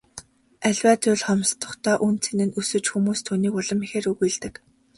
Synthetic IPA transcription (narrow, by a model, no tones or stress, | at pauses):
æɮʲwæːt͡sʊɮχɔmst̪ʰʊ̥̆χt̪ʰaːʔunt͡sʰĕnɘ̆nusɵ̆t͡ɕxumuːst̪ʰuːniːkʊɮə̆mixeːɾuɣujɮt̪ɘ̆k